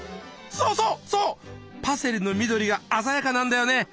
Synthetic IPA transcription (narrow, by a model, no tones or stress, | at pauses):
soːso̞ːsoːpase̞ɾɯno̞mʲid̪o̞ɾʲiɡaːzajakanãnd̪ajo̞ne̞